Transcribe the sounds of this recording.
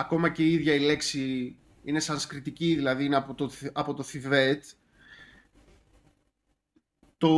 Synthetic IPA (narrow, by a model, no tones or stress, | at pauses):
ɐko̞mɐceiiðʝɐile̞ksi | ine̞sɐnskɾit̪iciðilɐðiineɐpot̪oɐpo̞t̪oθive̞t̪ | t̪o